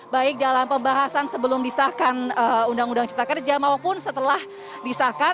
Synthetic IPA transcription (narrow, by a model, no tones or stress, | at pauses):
baɪk̚dalampəmbaɦasansəbəlʊmdisakanəundaŋundaŋt͡ʃə̥pɾakərd͡ʒamaopʊnsət̪əlah | disaka